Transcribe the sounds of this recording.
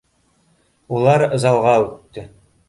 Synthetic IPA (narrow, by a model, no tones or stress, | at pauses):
ulˠɑɾɤ̆zɑlˠʁɑʉt̪ːɵ